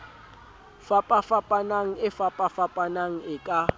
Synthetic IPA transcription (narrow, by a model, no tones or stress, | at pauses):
fapʼafapʼanaŋ̩ɪfapʼafapʼanaŋ̩ɪkʼa